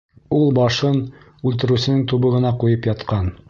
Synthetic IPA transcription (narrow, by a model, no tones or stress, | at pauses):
ulˠbɑʃɤn | ʉlt̪ɘ̆ɾʉ̆sɘ̆nɘŋt̪uβɤ̆ʁɤ̆nɑqujɤpjɑt̪qɑn